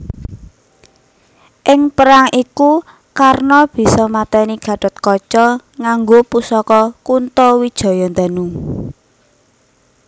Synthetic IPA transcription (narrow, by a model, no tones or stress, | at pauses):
ʔɪŋpəɾaŋiku | karnɔb̥i̤sɔmat̪ɛniɡ̥ä̤ɖ̥ɔ̤t̪̚kɔt͡ʃɔŋaŋɡopusɔkɔkunt̪owid̥ʒ̥ɔ̤jɔnd̪anu